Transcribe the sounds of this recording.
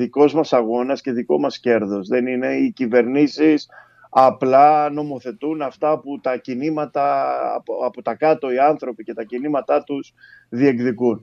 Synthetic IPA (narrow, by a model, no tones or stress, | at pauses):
ðiko̞zmɐsɐɣo̞nɐsce̞ðiko̞mɐsce̞ɾðo̞zðe̞nine̞icive̞ɾnisis | ɐplɐno̞mo̞θe̞t̪unɐft̪ɐput̪ɐcinimɐt̪ɐ̰ | ɐpot̪ɐkɐt̪o̞iɐnθɾo̞pice̞t̪ɐcinimɐt̪ɐt̪usðie̞kðikun